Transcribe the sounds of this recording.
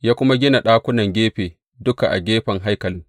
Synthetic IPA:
jaː˦kʷʊ˦ma˦ɡʲɪ˦na˨ɗaː˦kʷʊ˦nɐ˨ŋɡʲeː˦ɸeː˨ | dʊ˦ka˨ʔa̰˨ɡʲeː˦ɸɐ˨ŋɦa˦jkɐ˨lɪ˦ŋ

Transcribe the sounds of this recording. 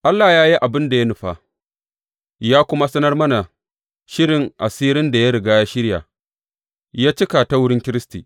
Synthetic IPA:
ʔa˦lːa˨jaː˦ji˦ʔa˨bɪ˦nda˨ja˦nʊ˨ɸa˦ | jaː˦kʷʊ˦ma˦sɐ˦nɐ˦rmɐ˦na˨ | ʃɪ˦ɾɪ˨ŋʔa˨siː˦ɾɪ˦nda˨ja˦ɾɪ˨ɡaː˦ja˦ʃɪ˦ɽja̰˨ | jaː˦t͡ʃɪ˦ka˨ta˦wʊ˦ɽɪ˦ŋkʲɪ˦ɾɪ˦stiː˨

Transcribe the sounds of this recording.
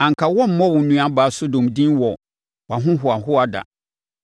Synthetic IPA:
ã˨ŋ˨kʰa˨wɔ˦m̩˦mɔ̃˦wʊ̃˨nũ˦ã˦baː˨˦so˦dɔ̃˨mdĩ˦nwɔ˨ | wa˨ɦʊ̃˦ɦʊ˨a˨ɦʊ˦a˨da̰˨

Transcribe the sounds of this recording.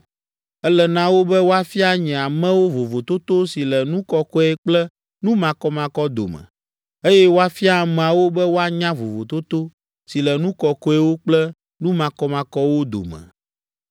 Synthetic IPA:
ɛ˦lɛ˨nã˦wo˦bɛ˦wo˦a˦fi˦a˦ɲɛ̃˨a˨mɛ̃˦wo˦vo˨vo˨t̪o˦t̪o˦si˨lɛ˨nũ˦kɔ˨kɔ˦ɛ˦k͡plɛ˦ | nũ˦mã˨kɔ˦mã˨kɔ˦d̪o̰˨mɛ̰̃˨ | e˦jɛ˦wo˦a˦fi˦a˨mɛ̃˨a˨wo˦bɛ˦wo˦a˦ɲã˦vo˨vo˨t̪o˦t̪o˦ | si˨lɛ˨nũ˦kɔ˨kɔ˦ɛ˦wo˦k͡plɛ˦ | nũ˦mã˨kɔ˦mã˨kɔ˦wo˦d̪o̰˨mɛ̰̃˨

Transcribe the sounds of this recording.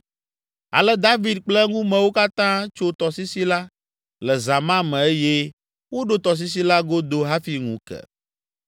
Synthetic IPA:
a̰˨lɛ˦d̪a˦vi˨d̪̚k͡plɛ˦ŋũ˦mɛ̃˨wo˦ka˦t̪ã˦t͡ʃo˦t̪ɔ˨si˦si˦la˦ | lɛ˨za˨mã˦mɛ̃˨e˦je˦ | wo˦ɖo˦t̪ɔ˨s̬i˦s̬i˦la˦ɡo˦d̪o˦ɦa˦fi˨ŋṵ̃˨˦kɛ̰˨

